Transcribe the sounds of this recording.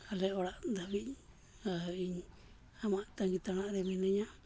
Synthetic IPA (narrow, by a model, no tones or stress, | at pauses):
haleoɾand̪aβi | aiɲ | amãt̪aŋɡit̪anãðemĩnẽɲã